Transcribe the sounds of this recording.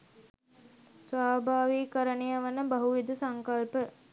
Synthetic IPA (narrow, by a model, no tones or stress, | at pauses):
sʋaːbʱaːʋikəɾənejaʋənəbɐɦuʋid̪usaŋkɐlpə